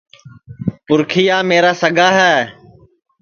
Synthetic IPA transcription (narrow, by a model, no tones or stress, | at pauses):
pʊɾkʰijaːmeːɾaːsəɡʱaːɦɛː